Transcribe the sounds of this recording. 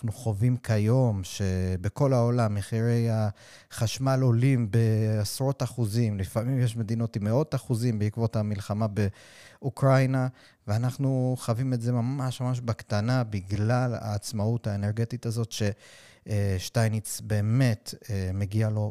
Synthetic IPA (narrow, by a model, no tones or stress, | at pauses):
nanuχo̞vimkʰajo̞mʃe̞be̞ko̞lao̞lamːeχiʁe̞ja | χaʃmalo̞limbe̞asʁo̞taχuzimlifamimjeʃme̞d̪ino̞timeo̞taχuzimbeikvo̞thamilχamabe̞ | ukʁajna | veanaχnuχavimetze̞mamaʃmamaʃ̬bakt̪anabiɡlala̰ːt͡smautaeneʁɡe̞titazo̞tʃe̞ | ʃtajnit͡sbe̞ːme̞tmeɡialo̞